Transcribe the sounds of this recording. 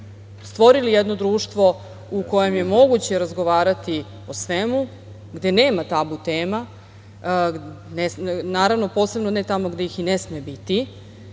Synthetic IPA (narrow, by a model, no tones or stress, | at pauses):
st̪ʋo̞ɾilijed̪no̞d̪ɾuːʃt̪ʋo̞ | uko̞je̞mje̞mo̞ɡut͡ɕe̞ɾazɡo̞ʋaːɾat̪i | osʋemu | ɡd̪e̞ne̞ːmat̪abut̪eːma | nesnaːɾaʋno̞po̞ːse̞bnonet̪amo̞ɡd̪ejixinesmebit̪i